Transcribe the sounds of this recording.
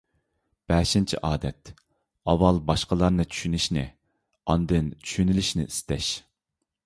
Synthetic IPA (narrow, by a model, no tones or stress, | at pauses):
b̥ɛʃint͡ʃʰḭʔɑːd̪ɛt̪ | ɑwɑlˠbɑʃqəlˠɑɾnɨt͡ʃʰy̥ʃyniʃnɪ̰ | ɑnd̪ɨnt͡ʃʰy̥ʃynɪliʃnɪ̰ʔist̪ɛʃ